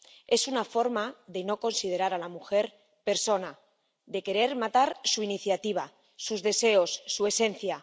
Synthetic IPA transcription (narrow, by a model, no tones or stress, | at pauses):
e̞sunafo̞ɾmaðeno̞ko̞nsið̞e̞ɾaɾalamuxe̞ɾ | pe̞ɾso̞na | ðe̞ke̞ɾe̞ɾmat̪aɾsuiniθjat̪iβ̞a | suzðe̞se̞o̞sːue̞se̞nθja